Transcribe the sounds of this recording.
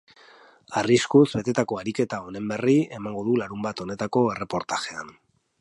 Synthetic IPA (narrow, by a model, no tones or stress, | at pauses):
ariskuzbe̞t̪e̞t̪ako̞aɾike̞t̪ao̞ne̞mbe̞rie̞maŋɡo̞ðulaɾumbat̪o̞ne̞t̪ako̞e̞re̞po̞ɾt̪aʝean